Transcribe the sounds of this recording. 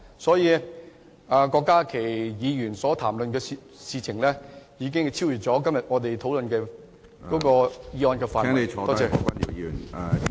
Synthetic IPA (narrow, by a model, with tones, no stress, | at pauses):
sɔː˨˥jiː˨˧ | aː˨˧kɔː˧kːaː˥kʰe˨˩jjiː˨˧jyː˨˩nsɔː˨˥t̪ʰaː˨˩mlɵ˨nkɛː˧ | siː˧t͡sʰɪ˨˩ŋlɛː˥jiː˨˧k̬ɪ˥ŋt͡sʰi˥wjyː˨˩t̚t͡sɔː˨˥kɐ˥mjɐ˨˩t̚ŋɔː˨˧t̪e˨jt̪ʰo˨˥wlɵ˨nkɛː˧ | kɔː˨˥kɔː˧jiː˨˧ɔː˧nkɛː˧faː˨˥e˨˧ɔː˨˧t̪ɔː˥t͡ɕɛː˧˩˨ka˥˩i˨˩jn˨˧